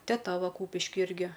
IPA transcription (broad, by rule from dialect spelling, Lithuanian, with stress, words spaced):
tʲɛˈtɐ ˈʋɐ ˈkuːpʲɪʃʲkʲɪ ˈɪrʲɡʲɪ